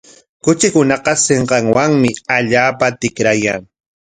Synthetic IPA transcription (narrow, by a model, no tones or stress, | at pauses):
kʊt͡ʃɪkʊnɑqɑseɴqɑŋwaŋmɪaʎaːpat̪ɪkɾajaŋ